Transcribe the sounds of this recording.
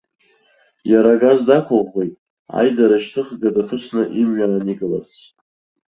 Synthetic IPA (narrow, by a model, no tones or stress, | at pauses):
jaɾaɡazdakʷʰʊʁʁʷejtʼ | a̰jdaɾaʃtʰɨχɡadafʰɨsnɨʔimɥaːniɡɨla̰rt͡sʰ